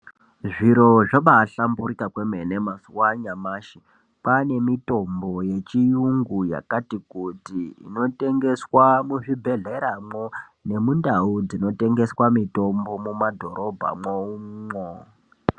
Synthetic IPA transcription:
ʐiɾo̞ʐaɓaɬamburikakwemenemasuwaɲamaːʃi | pane̞mito̞mbo̞je̞t͡ʃijuŋɡuja̰katikutiḭno̞te̞ŋɡe̞swamuʐibʱe̞ɮe̞ɾamone̞mundaud͡zino̞te̞ŋɡe̞swamito̞mbo̞mumadʱo̞ɾo̞bʱa̰mwoumo

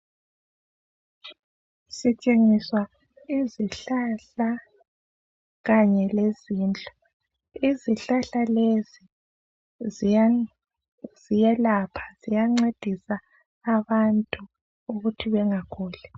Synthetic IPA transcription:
sit͡ʃʼeŋiswa | iziɬaɬa | ɣaɲɛleziːnd͡ɮʼɔ̥ | iziɬaɬalezi | z̥ijɛlapʰḁz̥ijaŋ͡ǀed̥ʱisaː | βantʼu | uɣutʰiβɛŋakʰɔːlɛ

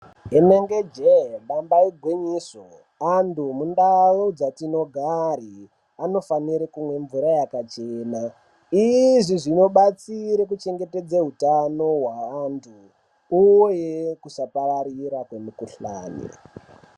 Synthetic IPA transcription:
eneŋɡed͡ʒeɓambaiɡʱwiɲiso | andumundalod͡zatino̞ɡʱari | ano̞faniɾekumwe̞ɱvuɾajakat͡ʃeːna | iʐiʐino̞ɓat͡siɾek̬ut͡ʃe̞ŋɡe̞te̞d͡zaɦutano̞ɦwaːntʰuː | jekusapaɾaɾiɾakwemukuɬa̰ːnḭ

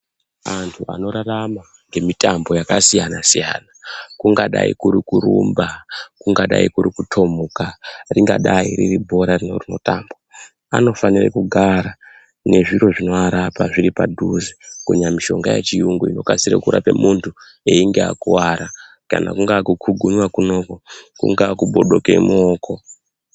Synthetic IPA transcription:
antʰua̰no̞ɾarama | ŋɡe̞mitambo̞jakasijanasija̰ːnakuŋɡaɗa̰ḭkuɾikuɾumbakuŋɡaɗa̰ikuɾikutʰo̞mukariŋɡaɗairiribʱo̞ɾarinorino̞̰taːmba | a̰no̞fanirḛkuɡʱaɾa | ne̞ʐiɾo̞ʐino̞aɾapaʐiɾipadʱuzikuɲamiʃo̞ŋɡajḛt͡ʃijuŋɡuino̞kasiɾekuɾa̰pe̞muntʰu | eiŋɡea̰kuwaɾa | kana̰kuŋɡakukʰuɡʱumwakuno̞kokṵŋɡakuɓo̞ɗokemuokʰo̞

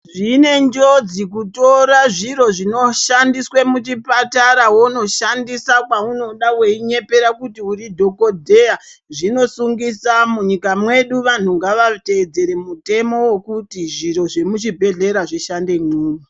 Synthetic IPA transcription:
ʐine̞nd͡ʒo̞d͡zik̬uto̞ɾaʐiɾo̞ʐino̞ʃandiswemut͡ʃipataɾawono̞ʃandisakwauno̞ɗaweiɲe̞pe̞ɾakutiuridʱo̞ko̞dʱe̞aʐino̞suŋɡisamuɲikamwe̞ɗuʋan̤uŋɡaʋate̞ːd͡ze̞ɾe̞mute̞mo̞wekutiʐiro̞ʐe̞mut͡ʃibʱe̞ɮe̞ɾaʐiʃande̞ŋuːni

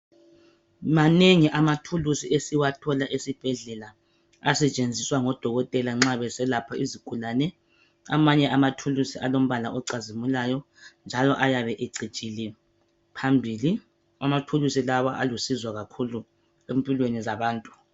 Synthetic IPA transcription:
maneŋiʔamatʰulusiʔesiwatʰɔlaʔesib̥ʱɛɮɛla | asɛt͡ʃʼend͡zʱiswaŋɔd̥ʱɔɣɔtʼɛlaŋ͡ǁaβɛsɛlapʰaiziɡ̥ʱulanɛ | a̰maɲɛʔamatʰulusiʔalom̩βalaɔǀazimulajɔ | nd͡ʒʱalɔʔajaβɛʔeǀit͡ʃʼilɛ | pʰambʱiːli | amatʰulusilawaʔa̰lusizwaɣakʰulu | empʼilwenizaβaːntʼu̥

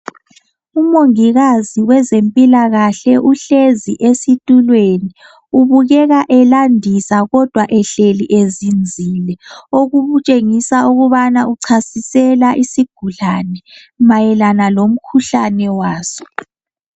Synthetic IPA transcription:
umoŋiɣaziwɛzempʼilaɣaɬɛʔuɬeziʔesitʼulweni | uβuɣɛɣaʔɛlandʱisaɣɔd̥ʱwaʔɛɬeliʔezind͡zʱilɛoɣuβut͡ʃʼeŋisauɣuβanauǀʰasisɛlaʔisiɡ̥ʱuɮanɛ | majɛlanalom̩kʰuɬanɛwaːsɔ̥

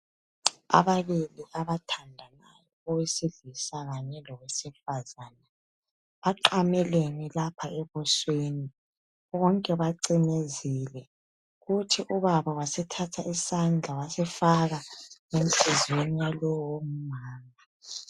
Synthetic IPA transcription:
a̰βaβiliʔaβatʰandʱanajɔɔwesiɮisaɣaɲɛlɔwesifazaːna | βaǃamɛlenilapʰaɛβɔsweni | βɔŋkʼɛβaǀinezilɛ | ɣutʰiʔuβaβawasɛtʰatʰaisand͡ɮʱawasɛfaɣaem̩ɬʰɛzwenijalɔwɔom̩maːma

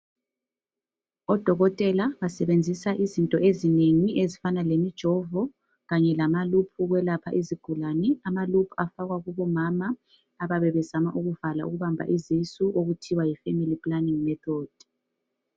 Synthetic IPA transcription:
ɔd̥ʱɔɣɔtʼɛlaβasɛβend͡zʱisaʔizintʼɔʔezineŋiʔezifanalemid̥ʒ̥ʱɔvɔ | ɣaɲɛlamalupʰuɣwɛlapʰa̰ʔiziɡ̥ʱulanɛamalupʰu̥afaɣwaɣuβɔmamaː | βaβɛβɛzamaʔuɣuvala̰ʔuɣuβambʱa̰ʔizisuʔoɣutʰiwajifemilipʼlaniŋmɛt̪ʰɔd̥

